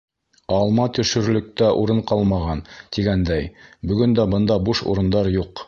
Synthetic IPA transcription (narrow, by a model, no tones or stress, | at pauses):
ɑlˠmɑt̪ɵ̆ʃɵ̆ɾlɵ̆k̚t̪æʔuɾɤɴqɑlˠmɑʁɑnt̪iɡænd̪æjbɵ̆ɡɵnd̪æbɤ̆nd̪ɑbuʃṵɾɤ̆nd̪ɑɾjuq